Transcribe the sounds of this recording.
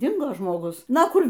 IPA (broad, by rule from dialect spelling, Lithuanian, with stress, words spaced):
ˈdʲɪŋɡoː ʒmoːˈɡʊs ˈnɐ ˈkʊr